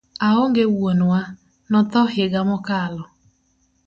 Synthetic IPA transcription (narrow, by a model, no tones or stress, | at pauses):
aɦʊŋɡewonʊa | nɔtɔɦɪɡamʊkalʊ